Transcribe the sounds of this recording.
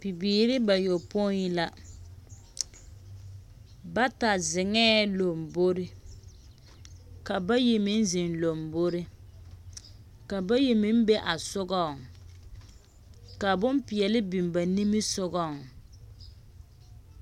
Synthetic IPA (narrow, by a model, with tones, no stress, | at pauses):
pi˨biː˨ɾɪ˦ba˨jo˨po˦ɲi˦la˦ | ba˦ta˨zɪ˨ŋɛː˦lo˨m˨bo˦ɾɪ˦ | ka˨ba˦ji˨mɪ˦n˦zɪ˨nlo˨mbo˦ɾɪ˦ | ka˨ba˦ji˨mɪ˦m˦be˦ʔa˨sʊ˦ɡɔ˦˨ŋ | ka˨bʊ˦mpi˨jɛ˨lɪ˦bi˨m˨ba˨ni˦mɪ˦sʊ˦ɣɔ˦˨ŋ